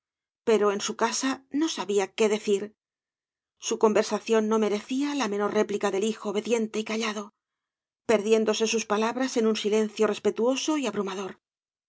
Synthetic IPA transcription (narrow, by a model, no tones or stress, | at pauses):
pe̞ɾo̞e̞nsukasano̞saβiake̞ðe̞θiɾ | suko̞mbe̞ɾsaθjo̞nːo̞me̞ɾe̞θialamẽ̞no̞rre̞plikaðe̞lixo̞ːβe̞ðje̞nt̪e̞ikaʎaðo̞ | pe̞ɾðje̞nd̪o̞se̞suspalaβɾase̞nunsile̞n̟θjo̞re̞spe̞t̪uo̞so̞iaβɾumaðo̞ɾ